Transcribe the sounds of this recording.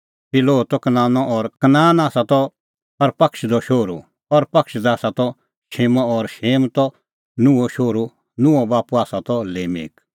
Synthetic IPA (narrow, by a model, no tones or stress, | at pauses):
pɪloːt̪ɔkɐnãːnɔʔɔːɾkɐnaːnaːsat̪ɔ | pɐɾpɐkʃd̪ɔʃoːɾu | ɔɾpɐkʃd̪aːsat̪ɔ | ʃeːmɔ̃ɔɾʃeːmt̪ɔ | nũɔʃoːɾu | nũɔbaːpuaːsat̪ɔleːmḛːk